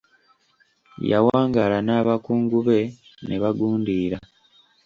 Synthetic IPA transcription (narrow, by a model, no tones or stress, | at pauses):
ja̰waːŋɡalanaːβakuːŋɡuβe̞ | neβaɡuːndiːɾa